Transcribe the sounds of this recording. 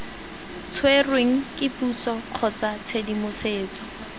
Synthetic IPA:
t͡sʰwerweŋ̩kʼɪpʼusɔq͡χʰɔt͡sat͡sʰedimʊseːt͡sɔ

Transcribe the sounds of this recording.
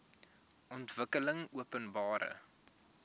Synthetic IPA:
ʔɔntv̥əkələŋuəpənbɑːɾə̰

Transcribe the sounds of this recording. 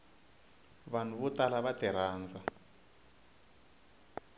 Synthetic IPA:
βan̤uβutalaβatɛɾaːnd͡za

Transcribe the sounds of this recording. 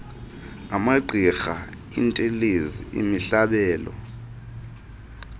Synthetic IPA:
amaǃʱixa | ḭntʼeleziḭmiɬaɓɛːlɔ̰

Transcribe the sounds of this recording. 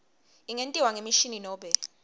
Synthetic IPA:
iŋentʼiwaŋemiʃininɔːɓɛ

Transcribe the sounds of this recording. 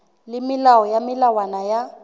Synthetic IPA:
lɪmilawɔjamilawanaja

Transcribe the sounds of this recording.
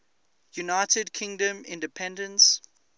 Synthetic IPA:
junaɪtədkʰɪ̃ŋdə̃mɪ̰̃ndəpʰɛ̃ndə̃ns

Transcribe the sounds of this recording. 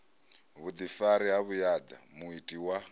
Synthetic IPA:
βud̪ifaɾiɦaβujad̪a̰muitʼiwa

